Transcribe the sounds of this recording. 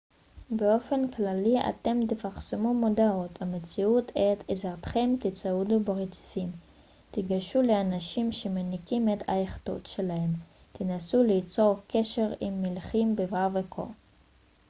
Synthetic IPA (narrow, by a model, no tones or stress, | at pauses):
beo̞fe̞nklalia̰t̪e̞mt̪efaχsemumodaʁot̪amet͡siut̪et̪ezaʁt̪χe̞mt̪it͡saudubaʁet͡si̥fim | t̪iɡaʃule̞anaʃimʃemenikime̞t̪ʰa̰eχto̰t̪ʃe̞lahem | t̪inasulit͡so̞ʁkʰe̞ʃe̞ʁimːilχimbevavekʰo̰